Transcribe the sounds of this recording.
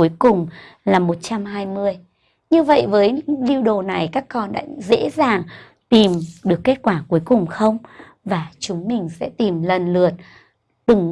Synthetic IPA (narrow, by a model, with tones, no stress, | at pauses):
u˨˦jkʊ˨˩ŋ͡mlaː˨˩mo˨˩t̚t͡ɕa˧mɦaː˧jmɨ˧əj | ɲɨ˧və̰˧˨jvəː˨˦jli˧wɗo˨˩na˨˩jkaː˦˥kːɔ˧nɗa̰ː˧˥zḛ˧˥zaː˨˩ŋ | t̪i˨˩mɗɨ˨˩əkːe˦˥t̚kwaː˧˩ku˨˦əjkʊ˨˩ŋ͡mxə˧wŋ͡m | vaː˨˩t͡ɕʊ˨˦ŋ͡mmï˨˩ŋ̟sɛ̰˧˥t̪i˨˩mlə˨˩nlɨ˨˩ət̚ | ɗ̪ɨ˨˩ŋ